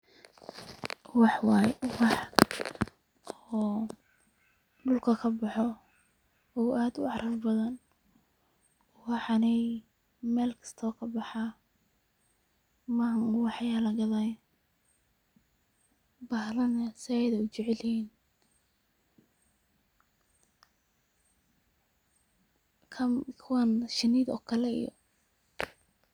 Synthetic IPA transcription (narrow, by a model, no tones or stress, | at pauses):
wɑħwɑːjwɑħ | ɔː | ɖʊlkʰɐkʰɐbɑħɔ | ɔːʔaːd̪ʊ̰ɑɾɐrbɐðɐn | wɑħɑnɛj | mɛːlkʰɐ̥st̪ʰɔːkʰɐbɑħɑ | maŋwɑħjalɐɡɐðaj | bɐhlɐnɐsɪɛjðɐʊt͡ʃɪʕɛlhiːn | kʰɐkʰʊwanʃɪniːd̪ɔ̰ːkʰɐlɛḭjɔ̰